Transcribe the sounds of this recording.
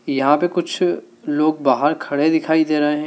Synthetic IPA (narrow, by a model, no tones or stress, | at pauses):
jɐɦãpekʊt͡ʃʰ | loːɡ̚baːɦəɾkʰɐɽed̪ɪkʰaːid̪eːɾɐɦeɦɛ̃